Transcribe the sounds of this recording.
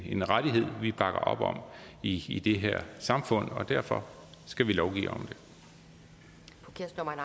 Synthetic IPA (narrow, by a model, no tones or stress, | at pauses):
e̝nʁaɾiɦe̝ð̰ˠʋib̥ɑ̈ɡ̥ɐʔɒ̽b̥ɒ̽miːd̥e̝ɦeɐ̰sɑ̈mfɔ̽n̰ɒ̽d̥æɐfɒ̽sɡ̥æʋilɒʊɡ̥ḭːɒ̽md̥e̝ | pʰkʰesn